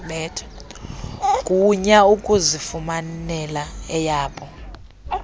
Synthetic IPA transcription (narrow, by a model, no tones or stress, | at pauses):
ɓɛtʰ | kʼuɲaukʼuzifumanɛlaɛjaːɓʼɔ